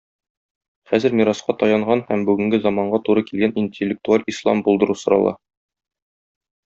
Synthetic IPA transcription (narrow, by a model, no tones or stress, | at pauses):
χæzɘɾmʲiɾɑsqɑt̪ɒjɑɴɢɑnhæmbʉɡɘ̆ŋɡɘzɑmɑɴɢɑt̪uɾɤkilɡænʔinʲtʲɪlʲːɪk̚t̪ualʲislˠɑ̰mbulˠd̪ɤ̆ɾusŏɾɑ̰lˠɑ̰